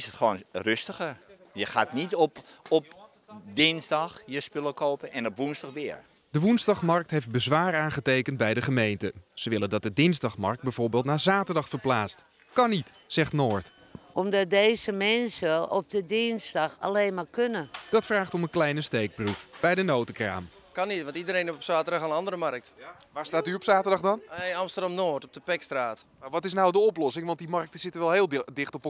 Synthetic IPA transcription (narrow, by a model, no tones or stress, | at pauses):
ɪsətχəʋoːnrøstəχəjəxaːtnitɔpɔp | dɪnzdɑxjəspøləkoːpənɛnɔpʋunzdɑχʋɪəɹ | dəʋunzdɑχmɑrk̚tɦejft̚bəzʋaːraːnχətejkənt̚bɛjdəχəmejntəz̥əʋɪləndɑt̚dədɪnzdɑχmɑrk̚t̚bɛjvʊːɹbɪːlˠtnaːzaːtərdɑχfəɹplaːt͡st | kɑnit | sɛχtnoːɹt | ʔɔmdɔt̚dejzəmɛnsəɔp̚dədɪnsdɑxa̰leːnmakønəd̥ɔtfraːχtɔmənklɛjnəstejk̚prufb̥ɛjdənowtəkra̰ːm | kɑnitʋɑntidəɾeːnɔpsaːtərdɑxanɑndəɾəmark̚tʋaːɹstaːtyɔpsaːtərdɑχdɑnɑmstərdɑmnoːtɔp̚dəpɛkstraːtaʋɔtɪs̬nawdəɔplɔsɪŋʋɑnt̚dimɑrk̚təsɪtəʋɛlˠɦeːlˠdɪxtɔp